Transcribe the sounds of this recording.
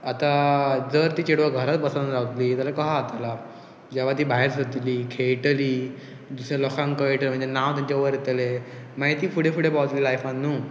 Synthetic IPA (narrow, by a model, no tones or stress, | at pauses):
at̪ad͡zəɾt̪iːt͡ɕeɽʋəɡʱəɾat̪bəsanad͡zaʋt̪liːt̪jalakəɦaːt̪ala | d͡ʑaʋ̤at̪̬iːbʱaɦeɾsət̪liːkʰejʈliː | d̪usɾalɔkʰãŋkəjʈlem̤əɳd͡zenaʋt̪aɲt͡ɕaʋəɾet̪elemaɦjt̪iːfuɽefuɽepawt̪liːlajfanːuː